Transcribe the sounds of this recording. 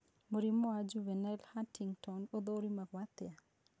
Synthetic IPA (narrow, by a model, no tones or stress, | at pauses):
moɾimːɔad͡ʒuvɛnɛlhatiŋtɔnod̪oɾimaɡwat̪ɪa